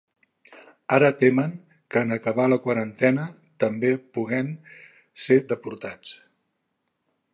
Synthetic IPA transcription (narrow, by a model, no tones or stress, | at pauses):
aɾət̪eməŋ | kəːnəkəβ̞aləkwəɾənt̪ɛnə | t̪əmbepuɣɛn | seɾd̪əpuɾt̪at͡s